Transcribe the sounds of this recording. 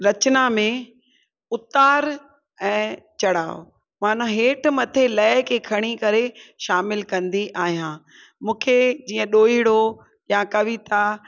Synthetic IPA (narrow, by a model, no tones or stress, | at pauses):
ɾɐt͡ɕnamẽ | ʊt̪aːɾ | ɛ̃ːt͡ɕɐɽaːo̰ | maːn̤ũɦeːʈʰmɐt̪ʰelɐːɪkʰekʰɐɽ̃ikɐɾeʃaːmɪlkɐ̃nd̪iʔaːɦijãː | mũːkʰed͡ʑiːə̃ɗoːiɽo | jakɐʋit̪a